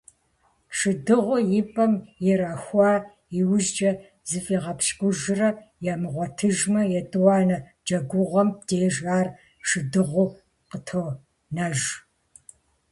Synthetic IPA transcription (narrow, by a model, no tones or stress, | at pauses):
ʂɨdɨʁʷʊjɪpʼɐmjɪɾɐxʷɑː | iwʑd͡ʒɐ | zɨfʼiːʁɐpɕkʷʼʊʒɪrɐjaːmɨʁʷɔtʰɨʒmɐjɛtʼɨwɑːnɐ | d͡ʒɐɡʷʊʁʷɐmdeːʒaːr | ʂɨdɨʁʷʊ | qətʰow | nɐʒ